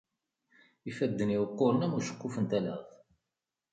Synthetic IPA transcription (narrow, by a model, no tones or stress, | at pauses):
ifæd̪ːəniwəqːoɾnæmuʃə̥kːufənt̪ælə̰θ